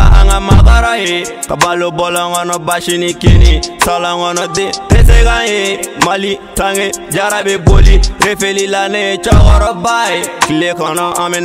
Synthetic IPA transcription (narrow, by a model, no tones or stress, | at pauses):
a̰a̰ŋamakaɾaje | kabalobɔlɔŋɔnɔbaʃinikenisɔlɔŋɔnɔdeɾetekajemalitaŋed͡ʒaɾabeboliɾefelilanet͡ʃɔɣɔɾɔbaekilekɔnɔʔamɪn